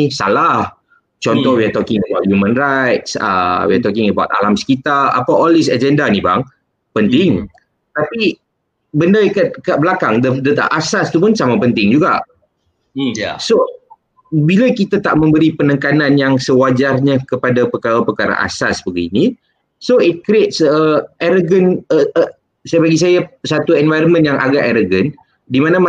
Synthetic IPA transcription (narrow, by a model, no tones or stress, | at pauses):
isa̰lah | t͡ʃɔntt̪ɔhwiat̪ɔkɪŋəbawt̪̚hjumə̃nrajt̪sə̰wɛʔt̪ɔkɪŋəbawt̪̚a̰lamsə̥kit̪aa̰paolisad͡ʒɛndaniba̰ŋ | pənt̪ɪŋ | t̪api | bəndakat̪̚kaʔ̚bəlakaŋdədət̪a̰ʔasast̪upʊnsamapənt̪ɪŋd͡ʒuɡa̰ʔ | so | bilakit̪at̪a̰ʔmə̃mbəɾipənə̃ŋkananjaŋsəwad͡ʒarɲakəpadapəkaɾapəkaɾa̰ʔa̰sa̰sbəɡḭni | soit̪̚kɾet̪̚səɛɾoɡən | səjbaɡis̬ajasat̪uɛnvajɾənmə̃njaŋʔa̰ɡaʔɛɾoɡən | dimanama